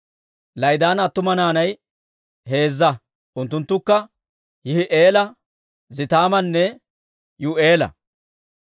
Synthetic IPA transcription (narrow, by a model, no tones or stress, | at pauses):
lɐjd̪aːnɐt̪ːʊmɐnaːnɐj | ɦe̞ːzːɐ | ʔʊnt̪ːʊnt̪ːʊkːɐ | hɪhɪʔeːlɐ | zɪt̪aːmɐnːɛ | jʊʔeːlɐ̰